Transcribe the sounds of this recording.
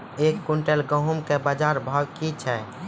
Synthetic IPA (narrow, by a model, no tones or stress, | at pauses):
ekːuɳʈelɡəɦumkebəd͡ʒaɾbʱəɡkit͡ʃʰɛ